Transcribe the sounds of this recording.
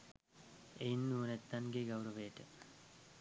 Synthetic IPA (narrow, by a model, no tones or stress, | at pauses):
ejnːuːnet̪ːanɡeɡɐwɾɐʋeːʈə